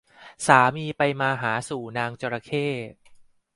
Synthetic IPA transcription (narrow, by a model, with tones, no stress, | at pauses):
saː˩˦miː˧pa˧jmaː˧ɦaː˩˦suː˨˩naː˧ŋt͡ɕoː˧ɾa˧kʰeː˥˩p̚